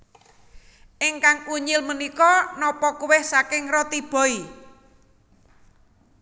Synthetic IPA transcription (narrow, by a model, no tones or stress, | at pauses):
ʔɪŋkaŋuɲɪlmənikɔnɔpɔkuwɪhsakɪŋrɔt̪ib̥ɔ̤i